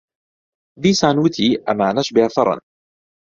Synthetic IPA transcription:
ðiːsaːnut̪ʰiʔa̰maːnaʃbɪaθɑɾˤɑ̰n

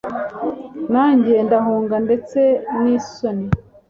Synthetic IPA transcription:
naːɲɟendaɦuːŋɡande̞t͡se̞niːsoni

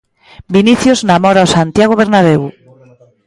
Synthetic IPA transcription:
biniθjoznamoɾawsant̪jaɣ̞oβ̞eɾnaβ̞ew

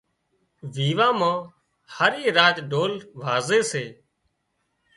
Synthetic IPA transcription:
ʋiːʋãːmãː | həɾiːɾaːd͡ʒɖoːlʋaːzeːseː

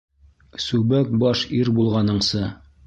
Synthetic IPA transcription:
sʉbæk̚bɒʃiɾbulˠʁɑnɤ̆ɴsɤ

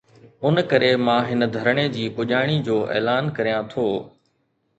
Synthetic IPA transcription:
ʊnkɐɾemãːɦɪnə̆d̪ʱɐɾɽ̃ed͡ʑiːpʊʄaːɽ̃id͡ʑoːʔḛːlaːnkɐɾijãt̪ʰoː

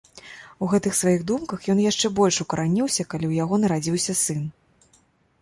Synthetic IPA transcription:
uɣɛt̪ɨxsvajiɣd̪umkɐxjɔnjaʂt͡ʂɛbɔlʲʂukɐɾʔanʲiwsʲɐkalʲiwjaɣɔnɐɾad͡zʲiwsʲɐsɨn

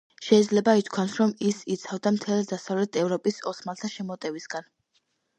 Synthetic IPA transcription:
ʃɛid̪zlɛbait̪ʰkʰwasɾɔmisit̪sʰavd̪amt̪ʰɛld̪asavlɛt̪ʰɛvɾɔpʼisɔsmalˠt̪ʰaʃɛmɔt̪ʼɛvisɡan

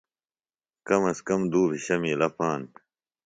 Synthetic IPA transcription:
kɐmɐskɐmd̪uːbʱiɕɐmiːlɐpaːn

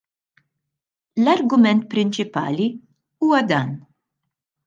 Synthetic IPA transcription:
lɐɾɡʊmɛnt̪̚pɾɪnt͡ʃɪpɐ̰ːli | uːwɐd̪ɐːn

